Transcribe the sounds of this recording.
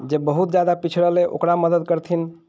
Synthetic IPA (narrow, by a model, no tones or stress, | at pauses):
d͡ʒebəɦut̪d͡ʒad̪apit͡ʃʰɾəleʔo̰kɾaməd̪əd̪kəɾt̪ʰin